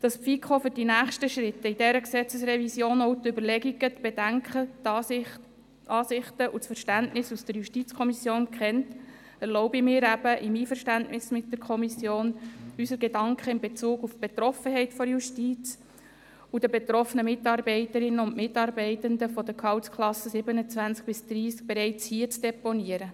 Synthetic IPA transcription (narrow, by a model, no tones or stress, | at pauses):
d̥ɑspfikʰχofyɾdinæːχʃtəʃɾɪtːəidɛɾəksɛt͡səsɾɛvisjoːnɔʊt̪ʏbəɾlɛɡiɡ̥ətb̥edæŋkχə | ʔɑːsɪχtəʔusfəɾʃtæntnɪsusd̥əɾjuʃtit͡skʰɔmisjoːnkχɛnt | ɛɾlɔʊbɪmɪːɾæb̥əʔɪmiːfəɾʃtæntnɪsmɪt̚dəɾkʰɔmisjoːnysəɾɡedɑŋkʰχəɪmbet͡suːɡufb̥et̪ɾɔfəɦɛɪtfɔɾjuʃtiːt͡s | ud̥əbet̪ɾɔfənəmɪtɑːɾbɛɪtəɾɪnːəʊnmɪtːɑːɾbɛɪtənd̪əfɔd̥̪əkʰɑwtskʰχlɑsəsɪbənət͡svænt͡sk̚b̥ɪsd̪̥ɾiːsk̚b̥eɾɛɪt͡shiːət͡sd̥eponiəɾə